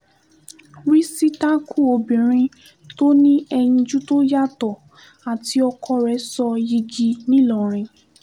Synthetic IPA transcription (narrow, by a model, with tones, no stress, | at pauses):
wi˦si˦ta˦kʰu˦o˧bĩ˨ɾ̃ĩ˧ | to˦nĩ˦ɛ˧jĩ˧d͡ʒu˦to˦ja˦tɔ˨ | a˨ti˧ɔ˧kʰɔ˧ɾɛ˨˦sɔ˧ji˧d͡ʒi˧nĩ˦lɔ̃˨ɾ̃ĩ˧